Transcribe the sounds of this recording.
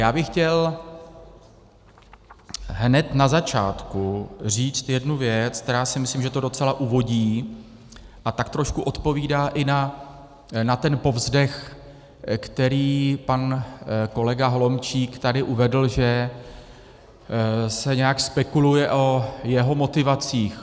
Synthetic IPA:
jaːbɪxcɛl | ɦnɛt̪nazat͡ʃaːt̪kuriːt͡st̪jɛdnuvjɛt͡sk̚t̪ɛɾaːsɪmɪsliːmʒɛt̪o̞do̞t͡sɛlaʔuvo̞ɟiː | ʔat̪akt̪ɾo̞ʃkuʔo̞t̪po̞viːdaːʔɪna | nat̪ɛnpo̞vzdɛx | kt̪ɛɾiːpanko̞lɛɡaɦolo̞mt͡ʃiːkt̪adɪʔuvɛdl̩ʒɛ | sɛɲɛjakspɛkulujɛʔo̞jɛɦo̞mo̞t̪ɪvat͡siːx

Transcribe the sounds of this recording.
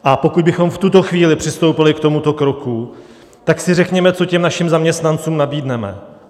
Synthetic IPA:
ʔapo̞kud̪bɪxo̞mft̪ut̪o̞xviːlɪpr̝̥ɪst̪o̞wpɪlɪkt̪o̞mut̪o̞kɾo̞ku | t̪aksɪrɛkɲɛmɛt͡so̞cɛmnaʃɪmzamɲɛst̪nant͡suːmnabiːdnɛmɛ̰

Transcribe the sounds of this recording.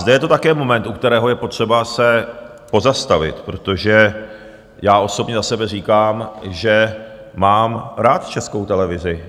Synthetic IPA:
zdɛjɛt̪o̞t̪akɛːmo̞mɛnt̪ʔukt̪ɛɾɛːɦo̞jɛpo̞t̪r̝̥ɛbasɛ | po̞zast̪avɪ̰t̪pɾo̞t̪o̞ʒɛ | jaːʔo̞so̞bɲɛzasɛbɛr̝iːkaːmʒɛ | maːmɾaːt̪t͡ʃɛsko̞wt̪ɛlɛvɪzɪ

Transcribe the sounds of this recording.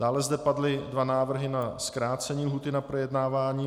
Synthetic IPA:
d̥aːlɛzdɛpadlɪdvanaːvr̩ɦɪnaskɾaːt͡sɛɲiːlɦuːt̪ɪnapɾojɛdnaːvaːɲiː

